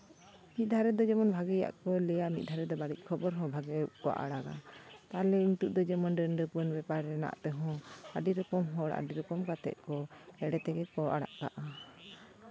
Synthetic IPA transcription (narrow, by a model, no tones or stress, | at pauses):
mit̪̚d̪ʱaɾɛd̪ɔd͡ʒɛmɔnbʱaɡɛja̰ʔkɔlɛjamit̪̚d̪ʱaɾɛd̪ɔbaɽic̚ˀkʰɔbɔɾɦɔ̃bʱaɡɛkɔwa̰ʔa̰ɽaɡa̰t̪alɛint̪uʔ̚d̪ɔd͡ʒɛmɔnɖəɳɖəpuənbɛpaɾːɛna̰ʔt̪ɛɦɔ̃aɖiɾɔkɔmɦɔɽaa̰ɖiɾɔkɔmkat̪ɛ̰ʔ̪̚kɔɛɽɛt̪ɛɡɛkɔa̰ɽa̰ʔka̰ʔa